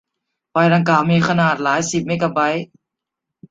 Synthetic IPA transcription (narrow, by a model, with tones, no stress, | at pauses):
faː˧˩jda˧ŋkaː˧˩wmiː˧kʰa˧naː˨˩t̪̚laː˩˦jsi˨˩p̚meː˧˥ka˧ba˧˥j